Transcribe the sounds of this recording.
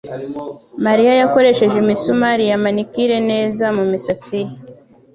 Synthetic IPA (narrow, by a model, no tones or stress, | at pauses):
maɾijajako̞ɾe̞ʃe̞ʒemisumaɾijamanikiɾe̞ne̞ːzamumisat͡sije